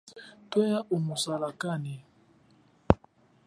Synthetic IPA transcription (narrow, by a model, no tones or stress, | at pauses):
twɔjaʔumusalakani